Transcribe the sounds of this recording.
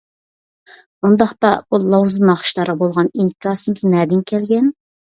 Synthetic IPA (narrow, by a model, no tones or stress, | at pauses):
und̪ɑχt̪ɑb̥ulˠɑwzɨmnɑχə̥ʃlˠɑɾʁɑbolˠʁɑniŋkɑsɨmɪznɛːd̪ɪnkʲʰɛlɡʲɛn